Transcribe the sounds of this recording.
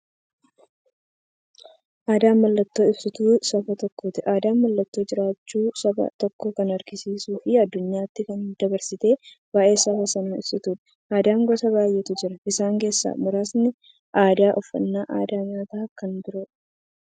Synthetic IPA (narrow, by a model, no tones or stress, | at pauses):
ʔaːd̪aːmːɐlːɐt̪ːo̞ːɪbsɪt̪uːsɐfɐt̪ɔkːoːt̪ɪʔaːd̪aːmmɐlːɐt̪ːo̞ːd͡ʒɪɾaːt͡ʃːuːsɐbɐ̰t̪ɔkːokɐnɐɾɡɪsiːsuːfɪɐd̪ːʊɲːaːt̪ːɪkɐnd̪ɐbɐɾsɪt̪e̞ː | baːʔe̞ːsɐfɐsɐnɐɪ̰bsɪt̪uːᶑɐ̥ | ʔaːd̪aːŋɡɔsɐβaːjːɛt̪ʊd͡ʒɪɾɐʔɪsaːŋke̞ːsːa̰ːmʊɾaːsnɪ | ʔaːd̪aːʔɔfːɐ̰nːaːʔaːd̪aːɲaːt̪aːkɐnb̪ʊɾoᶑ